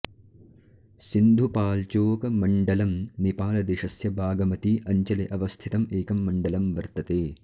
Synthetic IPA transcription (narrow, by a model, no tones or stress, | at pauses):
sind̪ʱupaːlt͡ʃoːkɐmɐɳɖɐlɐmnipaːlɐd̪eʃɐsjɐbʱaːɡɐmɐt̪iʔɐɲt͡ʃɐleʔɐʋɐst̪ʰit̪ɐmeːkɐmːɐɳɖɐlɐmʋɐɾt̪ɐt̪eː